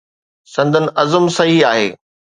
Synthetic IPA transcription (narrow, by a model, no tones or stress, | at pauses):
sɐ̃nd̪ʱənɪ̆ʔɐzəmsɐɦiaːɦḛː